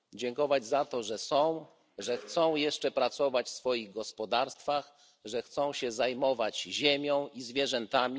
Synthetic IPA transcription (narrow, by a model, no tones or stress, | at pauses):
d͡ʑɛŋkɔvad͡ʑzat̪ɔʐɛsɔ̃w̃ | ʐɛxt̪sɔ̃w̃jɛʂt͡ʂɛpɾat̪sɔvat͡ɕfsfɔjiɣɡɔspɔd̪aɾst̪fax | ʐɛxt̪sɔ̃w̃ɕɛzajmɔvad͡ʑʑemʲjɔ̃w̃izvʲjɛʐɛnt̪amʲi